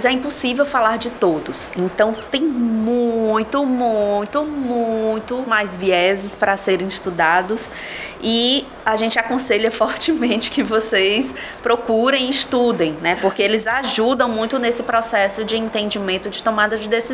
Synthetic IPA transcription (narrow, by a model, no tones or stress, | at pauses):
zɛĩposivewfalaɾd͡ʒɪt̪od̪ʊsẽt̪ɐ̃w̃t̪ẽj̃mũj̃t̪ʊmũj̃t̪ʊmũj̃t̪ʊmajzviɛzɪspɾɐseɾẽj̃ɪʃt̪ud̪ad̪ʊs | ɪ | aʒẽnt͡ʃɪakõseʎɐfɔɾt͡ʃɪmẽnt͡ʃɪ̥kɪvosejspɾokuɾẽj̃ɪʃt̪ud̪ẽj̃nɛpoɾkeelɪzaʒud̪ɐ̃w̃mũj̃t̪ʊnesɪpɾɔsɛsʊd͡ʒɪẽnt̪ẽnd͡ʒɪmẽnt̪ʊd͡ʒɪt̪õmad̪ɐd͡ʒɪd̪esiz